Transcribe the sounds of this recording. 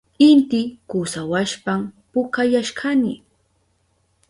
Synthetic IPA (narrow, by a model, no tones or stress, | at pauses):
ɪnt̪ɪkusawaʃpampʊkajaʃɢanɪ